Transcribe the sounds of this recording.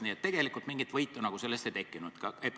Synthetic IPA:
niːet̪ːe̞ɡ̥e̞likˑult̪miŋɡit̪vɤjt̪ːˑunɑɡ̥use̞lːest̪ejt̪e̞kːˑinud̪̥kɑep

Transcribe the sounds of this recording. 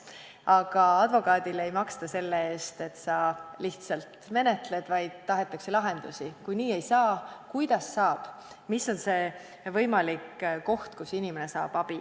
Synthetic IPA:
ɑɡ̥ɑɑd̪vo̞kˑɑːd̪̥ile̞jmɑkst̪ɑse̞lːeeːst̪e̞t̪ːsɑliht̪sɑlt̪me̞ne̞t̪le̞d̪̥vɑjd̪̥t̪ːɑɦe̞t̪ːˑɑkselɑɦe̞nd̪̥usikujniːe̞jsɑːkujd̪̥ɑsːɑːb̥ | miso̞nse̞ | vɤ̞jmɑlikːko̞ht̪kusinimene̞sɑ̰ːb̥ɑb̥i

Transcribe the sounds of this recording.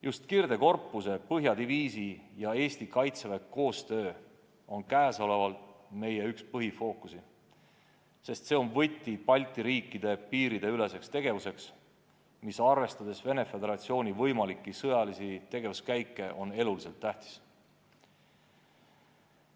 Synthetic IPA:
just̪kird̪̥e̞ko̞rpˑːuse̞pɤɦjɑd̪̥iviːsijɑe̞ːst̪ikɑjt̪sevekkːo̞ːst̪ø̞ː | o̞nkæːso̞le̞vɑlt̪me̞jeykspɤɦifo̞ːkusi | se̞st̪se̞o̞nvɤt̪ʲːˑipɑlʲt̪ːˑiɾiːkːˑid̪̥e̞piːɾid̪e̞yle̞se̞kst̪e̞ɡ̥e̞vuse̞ks | misɑrve̞st̪ɑd̪̥e̞sve̞ne̞fe̞d̪e̞ɾɑt̪sio̞ːnʲivɤjmɑlikːˑisɤjɑlisit̪e̞ɡ̥e̞vuskæjkːˑe̞ʔo̞ne̞lulise̞lt̪ːæht̪i̥s

